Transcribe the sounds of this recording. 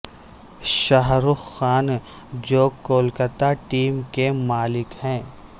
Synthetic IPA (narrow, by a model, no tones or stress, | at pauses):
ʃaɦɾuxxaːn | d͡ʒoːkoːlkət̪aʈiːmkemaːlɪkhɛ̃ː